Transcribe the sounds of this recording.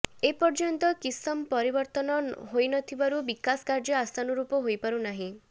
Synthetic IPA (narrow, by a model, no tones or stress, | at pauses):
epɔɾd͡ʒɔnt̪ɔkisɔmpɔɾibɔɾt̪ɔnɔɦojnɔt̪ʰibaɾubikasɔ̥kaɾd͡ʒɔast̪ʰanɔɾupɔɦojpaɾunaɦĩ